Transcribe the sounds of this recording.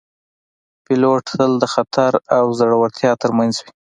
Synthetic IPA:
pɪloʈəld̪əxat̪ʰaɾawzaɽawaɾt̪ʰjɑt̪əɾmanzwi

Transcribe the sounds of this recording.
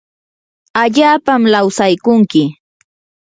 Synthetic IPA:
aʎaːpamlawsajkʊŋkɪ

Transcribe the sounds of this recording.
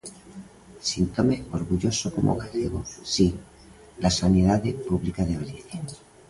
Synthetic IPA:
sint̪omeo̞ɾɣuʝo̞soko̞̰mʔoɣaθeɣo̰si | lasaneðaðepuβlikaðeβaliθen

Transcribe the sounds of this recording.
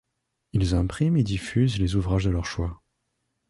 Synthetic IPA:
ilzɛ̃pχimed̪ifyzlezuvʁaʒd̪əlœʁʃwa

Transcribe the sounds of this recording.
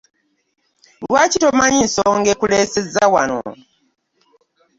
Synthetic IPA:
lwaːcito̞maɲinsoːŋɡekuleːsezawano̰

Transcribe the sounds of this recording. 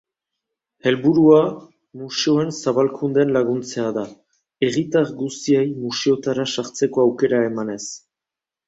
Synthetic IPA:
e̞lβuɾua | museo̞e̞nsaβalkund̪e̞nlaɣ̞unt͡se̞aða | e̞ɣit̪aɡust̪iejmuseo̞t̪aɾasaɾt͡se̞ko̞awke̞ɾae̞mane̞s

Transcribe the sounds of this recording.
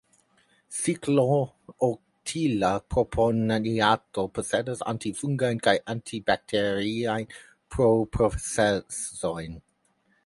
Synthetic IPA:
siklo | o | tʰilapʰɾopʰonaiatopʰosɛdasa̰ntifuŋɡajnkajʔantʰibak̚tʰeɾiajn | pʰɾopɾosesojn

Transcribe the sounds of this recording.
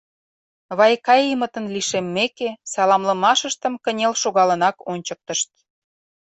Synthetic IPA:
βɑjkɑjimət̪ənliʃemːekesɑlɑmlə̆mɑʃəʃt̪əmkənʲelʃoɣɑlə̆nɑkonʲt͡ɕək̚t̪əʃt̪̚

